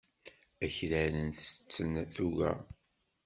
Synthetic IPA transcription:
æçɾælənθə̥t͡sːənθuʝæ̰

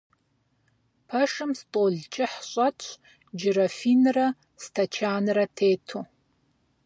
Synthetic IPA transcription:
pʰɐʂɨmstʼoːɮt͡ʃʰʼɪħɕʼɐtʷ | d͡ʒɪɾɐfiːnɨrɐ | stʰɐt͡ʃʰaːnɨrɐtʰeːtʰoː

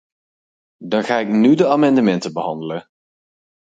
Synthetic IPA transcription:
dɑnχaːɪknydəaːmɑndəmɛntəbəɦɑndələ

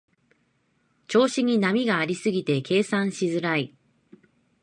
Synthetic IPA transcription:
t͡ɕo̞ːɕiɲ̟inamʲiɡaːɾʲisɨɡʲit̪e̞kʰe̞ːsãɰ̃ɕizɨɾai

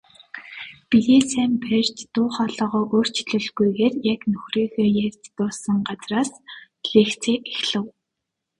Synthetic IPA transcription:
pijeːsæːmpʰer̥ʲt͡ɕt̪ʊːχɔːɮɔːʁɔːʔoːr̥t͡ɕʰɮɵ̆ɮɣujɣeːrjaknɵxriːxeːjærʲt̪t̪ʊːsə̆ŋɢat͡sraːs | ɮeːxt͡sʰeːʔexɮə̆w

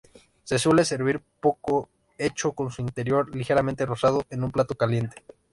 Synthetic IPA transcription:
se̞swe̞le̞se̞ɾβiɾpo̞ko | e̞t͡ʃo̞ko̞nsuint̪e̞ɾjo̞ɾlixe̞ɾament̪e̞ro̞sað̞oʔe̞numplat̪o̞kalje̞nt̪e̥

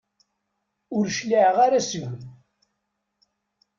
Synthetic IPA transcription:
ʊɾʃliʕʁaɾasʝəm

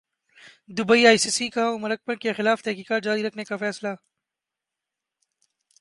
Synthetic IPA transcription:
d̪ʊbəiaːjsiːsikaõmɐɾək̚pə̃nkexɪlaːft̪ɛɦkiːkaːt̪̚d͡ʒaːɾiɾɐkʰnekafɛːsla

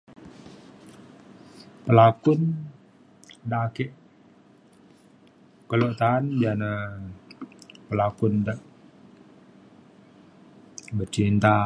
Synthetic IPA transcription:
pəlakʊn | dakɛʔ | kəloʔt̪aːnbiana | pəlakʊndaʔ | bərt͡ʃint̪a

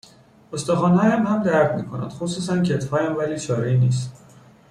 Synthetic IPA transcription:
ost̪ɒːxɒːnhɒːjæmhæmd̪æɾd̪miːkʰonæ̰nd̪xosuːsæncʰet̪ʰhɒːjæmvæliːt͡ʃʰɒːɾiniːst̪

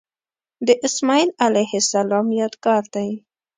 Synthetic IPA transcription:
d̪əʔɪsmɑilalajhɪsalɑmjɑd̪ɡɑɾd̪aj

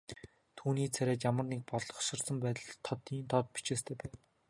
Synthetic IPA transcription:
t̪ʰuːniːt͡sʰæɾʲæːt͡ɕjamə̆rnek̚pɔɮɞ̆χʃɪ̆rsə̆mpæːt̪ə̆ɮt̪ʰɔt̪iːnt̪ʰɔt̪̚pi̥t͡ɕeːst̪ʰeːpæːn

